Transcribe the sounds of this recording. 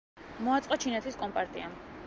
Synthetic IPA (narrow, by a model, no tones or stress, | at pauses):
mɔat̪sʼqʼɔt͡ʃʰinɛt̪ʰiskʼɔmpʼaɾt̪ʼiam